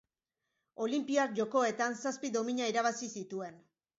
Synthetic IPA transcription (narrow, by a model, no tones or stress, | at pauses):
o̞limpiakʝo̞ko̞e̞t̪ansaspiðo̞miɲaiɾaβ̞asisit̪ue̞n